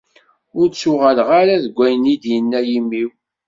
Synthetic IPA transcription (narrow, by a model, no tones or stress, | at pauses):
ʊɾsʊʁælʁaɾæðɡʷːæjnid̪jənːæjimːiw